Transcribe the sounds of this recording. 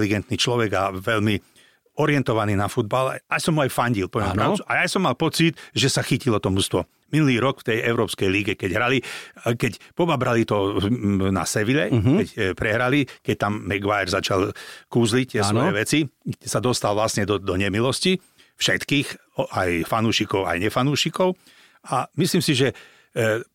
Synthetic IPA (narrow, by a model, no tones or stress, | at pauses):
liɡɛnt̪niːt͡ʃlɔʋɛɡaʋɛʎmi | ɔɾɪɛnt̪ɔʋaniːnafud̪̚bal̰asɔmɦuajfaɲɟilpɔʋjɛmmpɾɾat͡ʃuajajsɔmːalpɔt͡sit̪ʒɛsaxicilɔt̪ɔmust̪ʋɔ | minuliːɾɔkft̪ɛjɛʊɾɔːpskɛjliɡɛkɛɟɦɾalikɛcpɔbabɾalit̪ɔ | na̰sɛʋilɛkɛcpɾɛɦɾalikɛc̚t̪amːɛɡʋajɛɾzat͡ʃalkuːzlit̪ɪɛsʋɔjɛʋɛt͡siɛsad̪ɔst̪alʋlasɲɛd̪ɔd̪ɔɲɛmilɔsci | fʃɛt̪kiːx | ajfanuːʃikɔʊa̰jɲɛfanuːʃikɔʊ | amisliːmsiʒɛ